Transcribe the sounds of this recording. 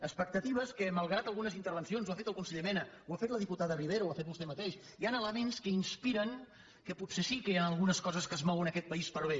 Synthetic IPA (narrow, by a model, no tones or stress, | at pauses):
əspək̚t̪ət̪iβ̞əskəməlˠɣɾat̪əlˠɣunəzint̪əɾβ̞ənsionzwafet̪əlˠkunsəʎemɛnə | wafet̪ləðiput̪aðəriβeɾəwafet̪̚bust̪ɛmət̪eʃ | ianələmenskəinspiɾəŋ | kəpusesikəjanəlˠɣunəskɔzəskəzmɔwənəkɛt̪̚pəispəɾβ̞e